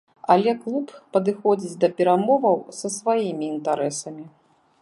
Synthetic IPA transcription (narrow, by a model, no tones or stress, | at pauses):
ɐlʲɛklˠuppɐd̪ɨxɔd͡zʲit͡sʲd̪ɐpʲɛɾamɔvɐwsɐsvajimʲiːnt̪aɾɛsɐmʲi